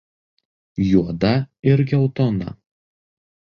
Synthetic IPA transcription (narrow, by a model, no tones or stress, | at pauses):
juɔd̪ɐɪɾɡʲɛʊt̪ɔnɐ̰